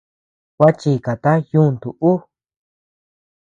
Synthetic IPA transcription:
kʷa˦t͡ʃi˧˨ka˨t̪a˦jũ˦˨nd̪u˨ʔu˦

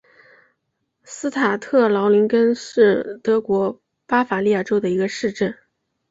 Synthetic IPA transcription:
sɹ̩˥t̪ʰa˨˩t̪ʰɤ˥˩lɑ˧˥ʊli˧˥nkə˥nʂɻ̩˥˩t̪ɤ˧˥kwɔ˧˥ | pa˥fa˨˧˥li˥˧ja˥˩ʈ͡ʂo˥ʊd̪ə˨i˧˥ɡə˧ʂɻ̩˥˧ʈ͡ʂə˥˩n

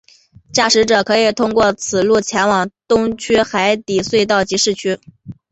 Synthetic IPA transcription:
t͡ɕja˥˩ʂɻ̩˧˥ʈ͡ʂɤ˨˩kʰɤ˧˥i˨˩t̪ʰʊ˥ŋkwɔ˥˩t͡sʰɹ̩˨˩lu˥˩t͡ɕʰjɛ˧˥ŋwɑ˨˩ŋt̪ʊ˥ŋt͡ɕʰy˥xa˧˥ɪt̪i˨˩swe˥˧ɪt̪ɑ˥˩ʊt͡ɕi˧˥ʂɻ̩˥˩t͡ɕʰy˥

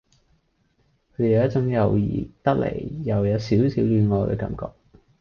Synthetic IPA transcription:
kʰɵ˨˧˥d̪e˨jjɐ˥t͡sʊ˨˥ŋjɐ˨˧wjḭː˨˩t̪ɐ˥k̚lḛ˨˩jːɐ˨˩wjɐ˨˧wsiː˨˥wsiː˨˥wlyː˨˧nŋɔː˨˧t̪o̰˧˩kɐ̰˨˥mkɔ̰ː˧k̚

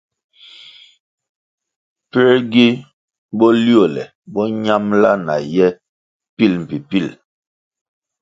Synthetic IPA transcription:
pɛ˦ɡi˦ | bɔ˦li˦o˦˨lɛ̰˨ | bɔ˦ɲa˦mla˦na̰˨jɛ˦ | pi˦lm̩˨pi˨pi˦˨l

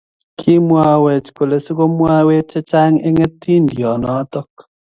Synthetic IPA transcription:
kʰi˦mwa˦we˨t͡ʃko˨le˨su˦ko˦mwa˦we˦t͡ʃɛ˦t͡ʃa˦ŋe˦ŋe˦ti˦ndjɔ˨nɔ˨˦tɔ˦k

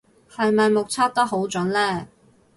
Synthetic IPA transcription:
hɐ˨˧jmɐ˨jmʊ˨k̚t͡sʰaː˥t̚t̪o˥ɦo˨˥wt͡sɵ˨˥nlɛː˥˩

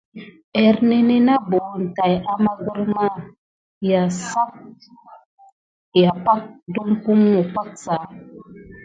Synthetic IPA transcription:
ɛ˨ɾne˦ne˦na˦bo˨˦˨n̩˨ta˨ja˦ma˦ɡu˦ɾma˦˨ | ja˨sa˦p̚ | ja˨pa˦k̚du˦mku˦mːu˨pa˦k̚sa˨˦

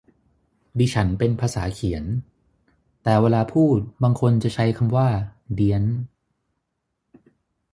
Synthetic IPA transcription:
diː˧t͡ɕʰa˦˥npe˧npʰaː˧saː˩˦kʰi˩˦ən | t̪ɛː˨˩weː˧laː˧pʰuː˥˩t̪̚baː˧ŋkʰo˧nt͡ɕa˨˩t͡ɕʰa˦˥jkʰa˧mwaː˥˩di˧ən

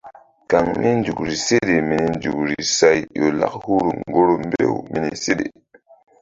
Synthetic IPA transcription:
ka˨ŋmi˦nd͡ʒu˨kɾi˨se˦ɗe˨mi˨ni˨nd͡ʒu˨k̚ɾi˨sa˦jjo˨la̰˦k̚hu˦ɾu˨ŋɡo˦ɾo˨mbḛ˦wmi˨ni˨se˦ɗḛ˨

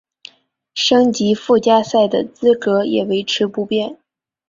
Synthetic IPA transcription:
ʂɤ˥ŋt͡ɕi˧˥fu˥˩t͡ɕja˥sa˥˩ɪd̪ə̰˩t͡sɹ̩˥kɤ˧˥jɛ̰˨˩we˧˥ɪʈ͡ʂʰɻ̩˧˥pu˧˥pjɛ˥˩n

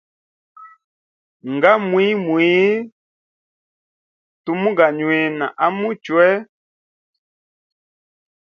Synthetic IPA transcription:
ŋɡa˦mwi˦mwi˨˦ | tu˨mũ˦ɡa˨ɲwe˨na̰˨ʔa˦mu˦t͡ʃwɛ˦

